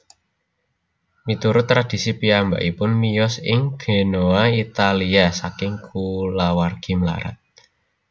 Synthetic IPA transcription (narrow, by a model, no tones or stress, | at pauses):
mit̪uɾʊt̪ːɾad̥i̤sipiamba̰ʔipʊnmijɔsɪŋɡ̥e̤noait̪aliasakɪŋkʰulawarɡ̥i̤mla̰ɾa̰t̪̚